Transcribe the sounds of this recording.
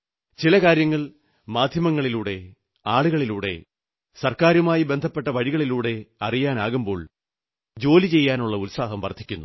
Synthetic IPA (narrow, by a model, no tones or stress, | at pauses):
t͡ɕilɐkaːɾjɐŋːɐɭ | maːd̪ʱjɐmɐŋːɐɭiluːɽe̞ | aːɭuɣɐɭiluːɽe̞̰ | sɐrkaːɾumaːjibe̞nd̪ʱɐpːe̞ʈːɐʋɐɻiɣɐɭiluːɽe̞ɐrijaːnaːɣumbo̞ːɭ | d͡ʑo̞ːlit͡ɕe̞jːaːnuɭːɐulsaːɦɐmʋɐrt̪ʰikʲːunːu